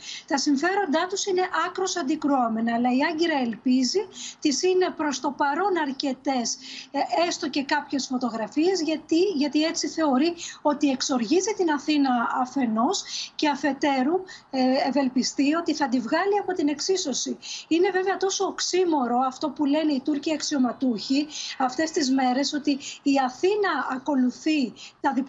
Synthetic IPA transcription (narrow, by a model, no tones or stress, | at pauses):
t̪ɐsiɱfe̞ɾo̞nd̪ɐt̪usine̞ʔɐkɾo̞sɐnd̪ikɾuome̞nɐːlɐiɐɲɟiɾɐe̞lpizit̪isine̞pɾo̞st̪o̞pɐɾo̞nɐɾce̞t̪e̞se̞st̪oce̞kɐpçe̞sfo̞t̪o̞ɣɾɐfie̞zʝɐt̪iʝɐt̪ie̞t͡siθe̞o̞ɾio̞t̪ie̞kso̞ɾʝizit̪inɐθinɐɐfe̞no̞sce̞ɐfe̞t̪e̞ɾu | eve̞lpist̪io̞t̪iθɐd̪ivɣɐliɐpo̞t̪ine̞ksiso̞siine̞ve̞veɐt̪o̞so̞ːksimo̞ɾo̞ɐft̪o̞pule̞ne̞it̪uɾciɐksio̞mɐt̪uçiɐft̪e̞st̪izme̞ɾe̞so̞t̪iːɐθinɐɐːko̞luθit̪ɐðip